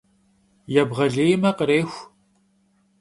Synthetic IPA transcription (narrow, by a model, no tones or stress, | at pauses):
jɛbʁɐɮeːjmɐqəɾeːxʷ